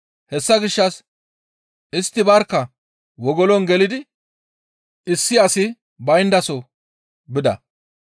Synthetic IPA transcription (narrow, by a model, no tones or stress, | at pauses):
hɛsːɐɡɪʃːɐs | ɪst̪ːɪbɐɾkːɐ | wɔɡɔlɔnɡɛlɪd̪ɪ | ɪsːɪɐsɪ | bɐjnd̪ɐsɔ | bɪd̪ɐ̰